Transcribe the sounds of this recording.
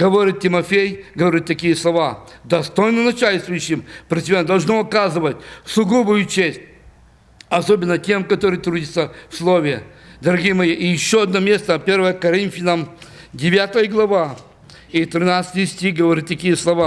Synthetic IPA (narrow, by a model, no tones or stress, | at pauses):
ɡəvoɾʲit̪̚tʲːɪmɐfʲejɡəvɐɾʲit̪ːɐkʲijəslˠɐva | d̪ɐst̪o̞jnənɐt͡ɕalʲst̪vʊjʉɕːɪmpɾʲɪt̪ʲɪmʲend̪ɐlˠʐnoɐkazɨvətʲsʊɡubʊjʊt͡ɕesʲt̚ʲ | ɐsobʲɪnːətʲe̞mkɐt̪oɾɨjt̪ɾudʲɪt̪səfslˠovʲɪjəd̪ɐɾɐɡʲijəmɐjiʔijɪɕːoɐd̪nomʲe̞st̪əpʲe̞rvəjəkɐɾʲint̪fʲɪnəmdʲɪvʲat̪əjəɡlˠɐva | it̪ɾʲɪnat̪sɨ̥t̪ɨjsʲtʲixɡəvɐɾʲit̪ːɐkʲijəslˠɐva